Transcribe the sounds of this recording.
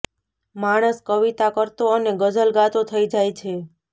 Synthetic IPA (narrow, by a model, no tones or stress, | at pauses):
maɽ̃əskəʋit̪akəɾt̪oəneɡəd͡ʒəlɡat̪ot̪ʰəid͡ʒajt͡ʃʰe